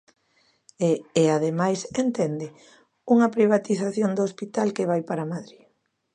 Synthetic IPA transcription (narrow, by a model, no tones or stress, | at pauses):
eːaðemajsent̪ɛnd̪ɪ | uŋɐpɾiβ̞at̪iθaθjond̪oospit̪alkeβ̞ajpaɾamaðɾi